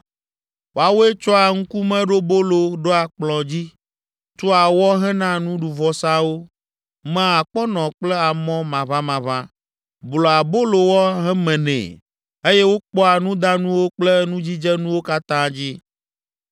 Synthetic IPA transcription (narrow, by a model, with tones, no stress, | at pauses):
wo˨a˨wo˦e˦t͡ʃɔ˦a˨ŋ̩˦ku˦mɛ̃˦ɖo˦bo˦lo˨ɖo˦a˨k͡plɔ̃˨d͡ʑi˦ | t̪o˦a˨wɔ˦ɦɛ˦nã˦nũ˦ɖu˨vɔ˨sã˦wo˦ | mã˦a˨k͡pɔ˦nɔ̃˨k͡plɛ˦a˨mɔ̃˦mã˨vã˦mã˨vã˦ | blɔ˨a˨bo˦lo˨wɔ˦ɦɛ˦mɛ̃˨nɛ̰̃˨ | e˦jɛ˦wo˦k͡pɔ˦a˨nũ˦d̪a˦nũ˦wo˦k͡plɛ˦nũ˦d͡ʑi˦d͡ʒɛ˦nũ˦wo˦ka˦t̪ã˦d͡ʑi˦